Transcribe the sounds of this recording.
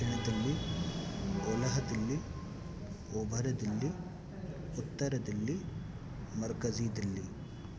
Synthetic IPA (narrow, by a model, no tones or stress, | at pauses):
ɐɳɐd̪ɐlːi | olɐɦɐd̪ɐlːi | obʱɐɾɐd̪ɐlːi | ut̪ːɐɾɐd̪ɐlːi | mɐɾkɐziːd̪ɐlːi